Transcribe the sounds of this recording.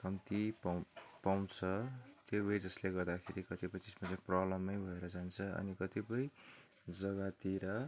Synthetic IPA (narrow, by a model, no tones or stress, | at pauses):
kʌmt̪ippawnt͡sʰʌt̪jobʌjd͡zʌsleɡʌrd̪akʰeɾikʌt̪ipʌj̃t̪esmat͡sãj̃prʌblʌmːʌjbʱʌeɾʌd͡zant͡sʰʌʌ̰nikʌt̪ipʌj | d͡zʌɡat̪iɾʌ